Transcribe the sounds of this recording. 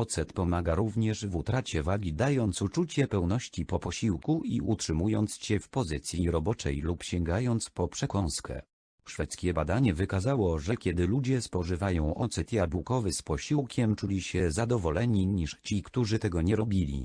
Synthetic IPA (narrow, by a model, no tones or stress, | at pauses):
ɔt̪sɛt̪pɔmaɡaɾuvɲɛʂvut̪ɾat͡ɕɛvaɡʲid̪ajɔnt̪sut͡ʂut͡ɕɛpɛwnɔɕt͡ɕipɔpɔɕiwkuiʔutʂɘmujɔnt̪sɕɛfpɔzɘt̪sʲjiɾɔbɔt͡ʂɛ̰jlupɕɛŋɡajɔnt̪spɔpʂɛkɔ̃w̃skʰɛ̰ | ʂfɛt̪skʲɛbad̪aɲɛvɘkazawɔʐɛkʲɛd̪ɘlud͡ʑɛspɔʐɘvajɔ̃w̃ʔɔt̪sɛt̪jabukɔvɘspɔɕiwkʲɛmt͡ʂulʲiɕɛzad̪ɔvɔlɛɲiɲiʂt͡ɕikt̪uʐɘt̪ɛɡɔɲɛɾɔbʲilʲḭ